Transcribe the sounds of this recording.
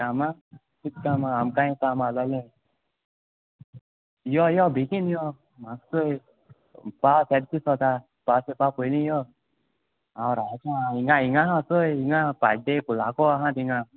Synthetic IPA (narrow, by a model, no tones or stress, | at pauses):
kama | sit̪̚kamaːmkaĩk̪amalɔlẽ | jɔjɔbikinjɔ | maksoj | pasɛd̪̚kisɔt̪a | pasepapojlĩjɔ | awɾakãiŋaiŋaɦãsojiŋapa̰d͡ʒd̪ekulakɔaɦãt̪iŋa